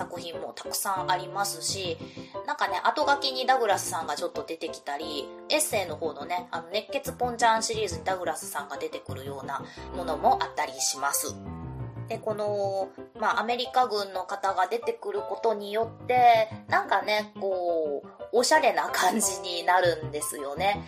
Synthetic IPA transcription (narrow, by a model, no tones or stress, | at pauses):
sakɯ̟çĩmːo̞̰t̪ḁkɯ̟̥sãɰʔaɾʲimasɨɕinãŋkane̞ʔat̪o̞ɡakʲiɲ̟id̪aɡɯ̟ɾasɨ̥sãŋɡat͡ɕo̞t̪ːo̞d̪e̞t̪e̞kʲi̥t̪aɾʲi | e̞sɨe̞ːno̞ho̞ːno̞ne̞ano̞ne̞kːe̞t͡sɨpõ̞ɲ̟t͡ɕãɕiɾʲiːzɨɲ̟id̪aɡɯ̟ɾasɨ̥sãŋɡad̪e̞t̪e̞kɯ̟ɾɯ̟jo̞ːnamo̞no̞mo̞ʔat̪ːaɾʲiɕimasɨ̰d̪̥e̞ko̞no̞maʔame̞ɾʲikaɡɯ̟̃nːo̞kat̪aɡad̪e̞t̪e̞kɯ̟ɾɯ̟ko̞t̪o̞ɲ̟ijo̞t̪ːe̞nãŋkane̞ko̞ː | ɕaɾe̞nakãɲ̟d͡ʑiɲ̟inaɾɯ̟̃nd̪e̞sɨjo̞ne̞